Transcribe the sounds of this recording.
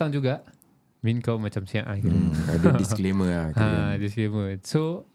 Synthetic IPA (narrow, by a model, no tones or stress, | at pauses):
aŋd͡ʒuɡaʔ | minkawmat͡ʃamsiaʔaɡiɾadudiskleməaadiskleməso